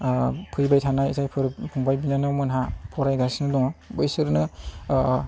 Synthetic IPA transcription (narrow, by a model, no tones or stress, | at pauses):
pʰɯjbajtʰanajitʰajpʰɯɾpʰuŋbajbinanɯwmɯnɦapʰɔɾajɡasnɯdɔŋbɯjsɯɾnɯ